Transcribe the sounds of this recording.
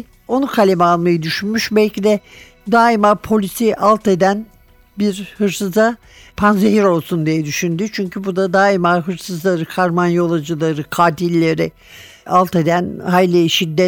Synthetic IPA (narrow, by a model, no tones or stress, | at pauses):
o̞nukʰalʲemɛalˠmajɯd̪yʃynmyʃbɛlʲcid̪ɛ | d̪aːimapʰo̞lʲisiʔalˠt̪e̞d̪æn | biɾhɯɾsɯza | pʰanzeɦiɾo̞lˠsund̪ijɛd̪yʃynd̪yt͡ʃʰyɲcʰybud̪ad̪aːimaɦɯɾsɯzlˠaɾɯkʰaɾmanjo̞lˠad͡ʒɯlˠaɾɯkʰaːt̪ʰilʲːeɾɪ | alˠt̪e̞d̪ænhajlʲiʃid̪ːɛ